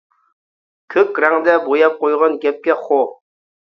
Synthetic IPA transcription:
kʲʰøkʲɾɛŋd̪ɛbojɑp̚qojʁɑnɡʲɛp̚kʲɛχo

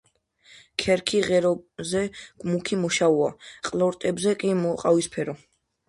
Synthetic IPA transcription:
kʰɛɾkʰiʁɛɾɔzɛɡ̥mukʰimɔʃauaqʼlˠɔɾt̪ʼɛbzɛkʼimɔqʼawispʰɛɾɔ

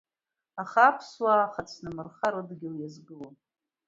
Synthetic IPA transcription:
aχapʰswaχat͡sʰnɨmɨrχaɾɨdɡʲɪljazɡɨlon

